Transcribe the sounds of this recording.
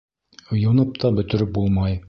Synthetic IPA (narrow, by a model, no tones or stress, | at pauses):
ŏjŭnɤp̚t̪ʰɑbɵ̆t̪ɵ̆ɾɵp̚bulˠmɑj